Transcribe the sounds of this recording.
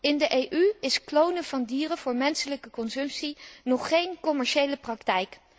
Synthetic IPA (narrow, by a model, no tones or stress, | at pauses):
ɪndəʔejʔyɪsklownəv̥ɑndiːrəv̥ʊːɹmɛnsələkəkɔnzɵmpsinɔχːejnkɔmɛɹʃejləprɑktɛjk